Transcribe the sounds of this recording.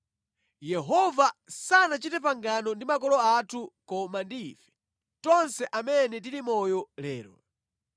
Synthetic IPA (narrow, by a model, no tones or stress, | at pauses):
jɛɦɔvasanat͡ʃitɛp̬aŋɡanɔndimakɔlɔatʰukɔmandiːfɛ̥ | tɔnsɛʔamɛnɛt̬iɾimɔjɔlɛːɾɔ̰